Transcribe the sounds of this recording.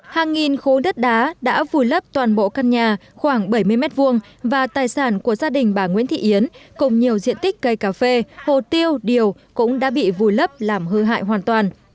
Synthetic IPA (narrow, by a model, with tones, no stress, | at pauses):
haː˨˩ŋːi˨˩nxo˨˦ɗə˦˥t̚ɗaː˨˦ɗa̰ː˧˥vu˨˩jlə˦˥p̚t̪waː˨˩nɓo̰˧˨kaː˧nɲaː˨˩xwaː˧˩ŋɓə˧˩jmɨ˧əjmɛ˦˥t̚vu˧əŋ | vaː˨˩t̪aː˨˩jsaː˧˩nku˧˩əzaː˧ɗï˨˩ŋ̟ɓaː˧˩ŋwḭ˧˥ənt̪ʰḭ˧˨ʔi˨˦ənkʊ˨˩ŋ͡mɲi˨˩əwzḭ˧ənt̪ï˦˥k̟̚kə˧˩jkaː˧˩fe˧ho̰˧˨t̪i˧əwɗi˨˩əwkʊ̰˧˥ŋ͡mɗa̰ː˧˥ɓḭ˧˨vu˨˩jlə˦˥p̚laː˨˩mɦɨ˧ɦa̰ː˧˨jɦwaː˨˩nt̪waː˨˩n